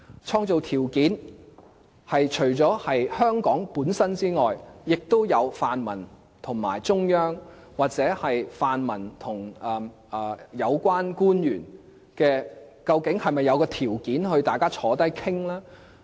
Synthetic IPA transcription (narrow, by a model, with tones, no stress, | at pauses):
t͡ʃʰɔː˧ŋt͡so˨wt̪ʰiː˨˩wkiː˨˥n | hɐ˨jt͡ʃʰɵ˨˩ɥt͡sɔː˨˥hɐ˨jhœː˥ŋkɔː˨˥ŋpuː˨˥nsɐ˥nt͡siː˥ŋɔː˨jjɪ˨k̚t̪o˥wjɐ˨˧wfaː˨nmɐ˨˩n | t̪ʰʊ˨˩ŋma̰ː˨˩jt͡sʊ˥ŋjœː˥ŋ | waː˨k̚t͡sɛː˨˥hɐ˨jfaː˨nmɐ˨˩nt̪ʰʊ˨˩ŋɐː˨ | jɐ˨˧wkʷaː˥nkuː˥njyː˨˩n | kɛː˧kɐ˧wkɪ˨˥ŋhɐ˨jmɐ˨jːɐ˨˧wkɔː˧t̪ʰiː˨˩wkiː˨˥nhɵ˧ɥt̪aː˨jkaː˥t͡ʃʰɔː˨˥t̪ɐ˥jkʰɪ˥ŋlaː˥